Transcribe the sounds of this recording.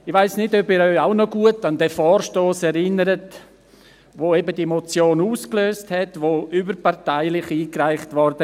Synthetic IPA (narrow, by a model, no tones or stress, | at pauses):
ɪʋaɪsnɪdøbɪːɾœʏaʊnɔɡuətandɛːfɔːɾʃtoːsɛɾɪnəɾət | ʋoːɛbədimot͡sjoːnuːskløːsthɛtʋoʔybəɾpaɾtaɪlɪχiːkraɪχtʋɔɾdə